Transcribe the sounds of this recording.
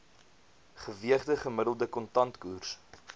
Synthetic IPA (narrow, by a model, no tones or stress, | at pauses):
χəviəχdəχəmədəlˠdəkɔntɐntkuːrs